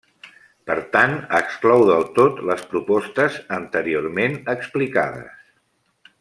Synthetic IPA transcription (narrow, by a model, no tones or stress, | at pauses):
pəɾt̪anəksklɔwðəlˠt̪ot̪ləspɾupɔst̪əzənt̪əɾiormenəksplikað̞ə̰s